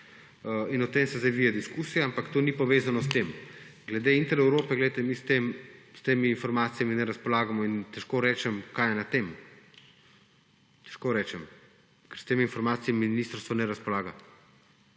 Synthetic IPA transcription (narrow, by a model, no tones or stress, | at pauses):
inɔt̪emsɛzaʋiːjad̪iskusijaampakt̪oːnipɔʋeːzanɔst̪emɡlɛd̪eint̪ɛɾɛwɾoːpɛɡlɛjt̪ɛmist̪emst̪eːmiːnfɔɾmaːt̪sijaminɛɾaspɔlaːɡamɔint̪ɛʃkoːɾɛːt͡ʃɛmkajɛnat̪eːm | t̪ɛ̥ʃkoːɾɛːt͡ʃɛm | kɛɾst̪eːmiinfɔɾmaːt̪sijamiminist̪ɾst̪ʋɔnɛɾaspɔlaːɡa